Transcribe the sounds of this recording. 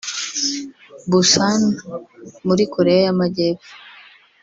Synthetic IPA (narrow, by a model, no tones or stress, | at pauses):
busan | muɾikʰoɾejajamaɟepu̥